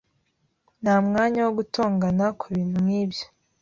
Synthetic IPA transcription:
namŋaːɲawoɡutʰoːŋɡanakuβiːn̥umŋiːbjo̥

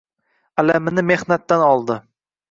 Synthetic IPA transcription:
alamɪnɪme̞hnat̪ːanɒlˠd̪ɪ

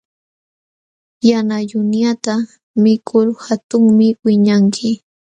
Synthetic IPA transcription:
janajʊnjat̪a | mɪkʰʊɾhat̪ʊŋmɪwɪɲaŋkʰɪ

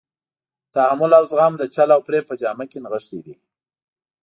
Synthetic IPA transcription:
t̪aamʊlawzɣɑmd̪ət͡ʃalawpɾepəd͡ʒɑmakenɣəʃt̪id̪i

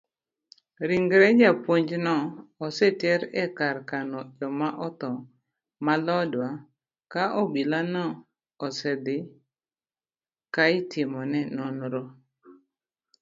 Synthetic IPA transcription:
ɾiŋɡɾɛd͡ʒapoɲd͡ʒnɔːsɛtɛɾɛkaɾkanɔjɔmaʔɔt̪ɔ | malɔdwa | kaʔɔbilanɔ | ɔsɛd̪ɪ | kaɪtɪmɔnɛnɔnɾɔ

